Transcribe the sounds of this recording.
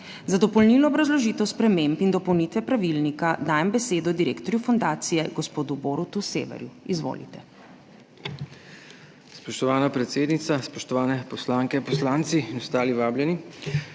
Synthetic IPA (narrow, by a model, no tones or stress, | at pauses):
zad̪ɔpɔlniːlɔːbɾazlɔʒiːt̪ɛwspɾɛmempind̪ɔpɔwnit̪ʋɛpɾaʋilnikad̪aːjɛmbɛseːd̪ɔd̪iɾḛːkt̪ɔɾjufɔnd̪aːt̪sijɛɡɔspoːd̪uboːɾut̪usḛːʋɛ̰ɾjuizʋo̰ːlḭt̪ɛ | spɔʃt̪ɔʋaːnapɾɛt̪seːd̪nit̪saspɔʃt̪ɔʋaːnɛpɔslaːŋkɛpɔslaːnt̪siinɔst̪aːliʋaːbljɛni